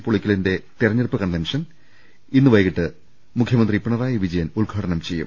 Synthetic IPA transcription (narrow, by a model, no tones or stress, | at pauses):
pːoɭikʲːilinde̞t̪irɐɲːɐɽpːɨkɐnʋenʂɐn | inːɨʋɐjɐɣiʈːɨ | mukʰjɐmɐnd̪ripːiɳɐɾaːjɐʋid͡ʑɐjɐnuɭɡʱaːɽɐnɐmt͡ɕe̞jːṵm